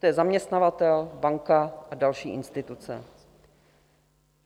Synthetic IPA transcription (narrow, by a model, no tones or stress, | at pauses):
jɛzamɲɛst̪navat̪ɛlbaŋkaʔadalʃiːʔɪnst̪ɪt̪ut͡sɛ̰